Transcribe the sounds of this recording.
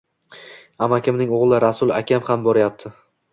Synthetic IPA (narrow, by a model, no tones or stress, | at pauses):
amakʲʰɪmnɪŋoʁlˠɪɾasʊlˠakʲʰamhambɒɾajap̚t̪ʰɪ